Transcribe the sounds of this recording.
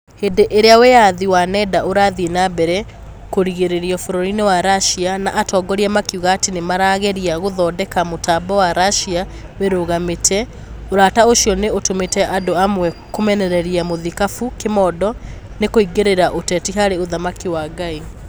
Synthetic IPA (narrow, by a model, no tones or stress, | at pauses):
hedeʔeɾeawejaðiwanɛdaoɾaːðienabɛɾɛ | koɾiɣeɾeɾiɔfoɾɔɾinewaɾaʃianaʔatɔːɡɔɾiamakiuɣaːtenemaɾaːɣeɾiaɣoðɔːdɛkamotaːbɔwaɾaʃia | weɾoɣametʰɛ | oɾaːtaoʃiɔneotometɛʔadoamwɛkomɛnɛɾɛɾiamoðikafukemɔːdɔ | nekoiɡeɾeɾaʔotɛːtiɦaɾeoðamakiwaːɡai